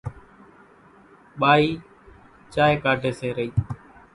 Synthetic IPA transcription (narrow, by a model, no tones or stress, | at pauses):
ɓaːiː | t͡ʃaːeːkaːɖʱeːseːɾəiː